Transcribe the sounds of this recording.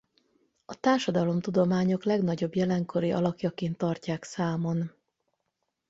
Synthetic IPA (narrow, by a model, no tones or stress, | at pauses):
ɒt̪aːrʃɒd̪ɒlo̞mt̪ud̪o̞maːɲo̞klɛɡnɒɟo̞bjɛlɛŋkʰo̞ɾiʔɒ̰lɒkjɒkeːnt̪ːɒrcaːksaːmo̞n